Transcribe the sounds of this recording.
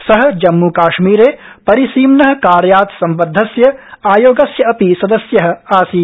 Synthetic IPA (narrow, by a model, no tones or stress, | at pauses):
sɐɦɐ̆d͡ʒɐmːukaːʃmiːɾeː | pɐɾisiːmnɐɦɐ̆kaːɾjaːt̪sɐmbɐd̪ʱːɐsjɐaːjoːɡɐsjɐɐpisɐd̪ɐsjɐɦɐ̆aːsiː